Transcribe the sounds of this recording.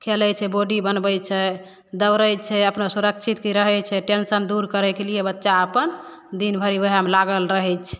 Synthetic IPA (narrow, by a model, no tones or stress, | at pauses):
kʰelɛt͡ʃʰɛboɖibənbɛt͡ʃʰɛ | d̪əwɾəjt͡ʃʰɛəpnasuɾək̚t͡ʃʰit̪kiɾəɦɛt͡ʃʰɛʈensənd̪uɾkəɾɛkelijebətːʃaəpən | d̪inbʱəɾibəɦamlaɡəlɾəɦɛt͡ʃʰɛ̥